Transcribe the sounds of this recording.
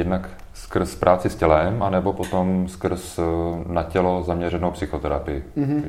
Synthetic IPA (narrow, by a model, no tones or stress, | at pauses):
jɛdnak | skr̩spɾʔaːt͡sɪscɛlɛmʔanɛbo̞pot̪omskr̩snacɛlo̞zamɲɛɾɛnowpsɪxot̪ɛɾapɪjɪ